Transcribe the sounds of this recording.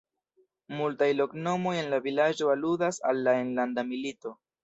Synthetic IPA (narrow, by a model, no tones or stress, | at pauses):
multajlo̞kno̞mo̞je̞nlavilad͡ʒo̞aludasalːaenlandamilito̞